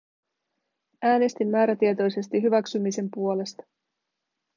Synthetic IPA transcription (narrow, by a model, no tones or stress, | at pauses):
æːne̞st̪imːæːɾæt̪iet̪o̞jse̞st̪iɦyʋæksymise̞mpuo̞le̞st̪ɑ̥